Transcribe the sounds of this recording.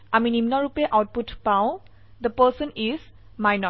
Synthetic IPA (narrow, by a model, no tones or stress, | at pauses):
aminimnɔɹupɛʔawt̚putpaʊ̃ | d̪əpəsəniz | majnɔ